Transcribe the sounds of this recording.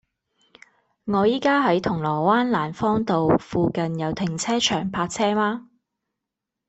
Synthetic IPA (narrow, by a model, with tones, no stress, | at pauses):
ŋɔː˨˧jiː˥kaː˥ɦɐ˨˥jt̪ʰʊ˨˩ŋlɔː˨˩waː˥nlaː˨˩nfɔː˥ŋt̪o˨wfuː˨˧kɐ˨njɐ˨˧wt̪ʰɪ˨ŋt͡sʰɛː˥t͡ʃʰœː˨˩ŋpʰaː˧k̚t͡sʰɛː˥maː˥